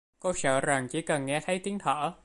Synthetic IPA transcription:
ko˧səː˧˩za˨˩ŋt͡ɕḭ˧˥kə˨˩nŋɛ˧t̪ʰə˨˦jt̪i˨˦ənt̪ʰəː˧˩

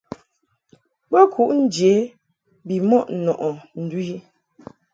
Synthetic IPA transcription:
bɛ˦kʰu˨˦ʔn̩˦d͡ʒe˨˦ | bi˨mɔ˦˨ʔnɔ˨ʔɔ˨n̩˨du˦ji˦

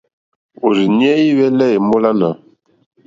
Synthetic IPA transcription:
o˨zi˨njɛ˦i˦wɛ˦lɛ˦e˨mo˦la˦na˨

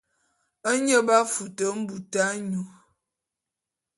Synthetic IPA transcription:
ə˦ɲə˦ba˦fu˨tə˨˦m̩˦bu˨ta˦ɲu˨

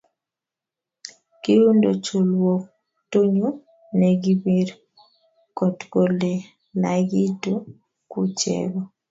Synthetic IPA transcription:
ki˦ɾu˦ndo˨t͡ʃo˨lwɔ˨ | to˦ɲu˦ | nɛ˨ɡi˦bi˦r | kɔ˨tko˨le˨ | la˨ɡi˦to˦ | ku˦t͡ʃɛ̰˨ɡɔ˨

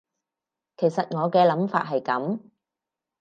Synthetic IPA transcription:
kʰe˨˩jsɐ˨t̚ŋɔː˨˧kɛː˧lɐ˨˥mfa̰ː˧t̚ɦɐ˨jkɐ˨˥m

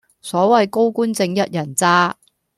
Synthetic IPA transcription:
sɔː˨˥wɐ˨jko˥wkuː˥nt͡sɪ˧ŋjɐ˦˥t̚jɐ˨˩nt͡saː˥

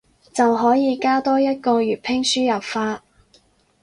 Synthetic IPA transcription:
t͡sɐ˨wɦɔː˨˥jiː˨˧kaː˥t̪ɔː˥jɐ˥t̚kɔː˧ɥyː˨˩t̚pʰɪ˥ŋsyː˥jɐ˨p̚faː˧

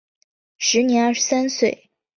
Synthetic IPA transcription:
ʂɻ̩˧˥njɛ˧˥na˞˥˩ʂɻsa˥nswe˥˩ɪ

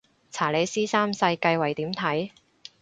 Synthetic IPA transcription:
t͡sʰaː˨˩le˨˧jsiː˥saː˥msɐ˧jkɐ˧jwɐ˨˩jt̪iː˨˥mt̪ʰɐ˨˥j

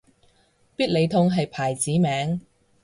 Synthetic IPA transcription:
piː˥t̚le˨˧jt̪ʰʊ˧ŋɦɐ˨jpʰaː˨˩jt͡siː˨˥mɛː˨˥ŋ

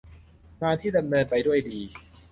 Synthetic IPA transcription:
ŋaː˧nt̪ʰiː˥˩da˧mnɤː˧nt͡ɕa˧jdu˥˩əjdiː˧

